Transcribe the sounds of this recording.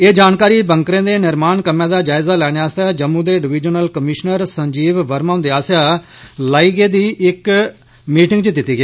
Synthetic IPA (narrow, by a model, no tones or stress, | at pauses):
eːd͡ʒaːnkaːɾiːbəŋkɾẽːd̪eːnɪɾmaːnkəmãːd̪aːd͡ʒaːɪzaːlɛːɽjaːst̪aːd͡ʒəmːũːd̪eːɖɪʋɪd͡ʒənəlkəmɪʃnəɾsəɲd͡ʒiːʋʋəɾmaːʊ̃nd̪eːaːsjaː | laːiːɡeːd̪iːʔɪk | miːʈɪŋɡt͡ʃəd̪ɪt̪ːiːɡeː